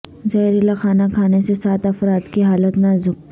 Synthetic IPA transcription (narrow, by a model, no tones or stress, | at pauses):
zɐɦɾilakʰaːnakʰaːnesesaːt̪ɐfɾaːd̪kiɦaːlət̪nazʊk̚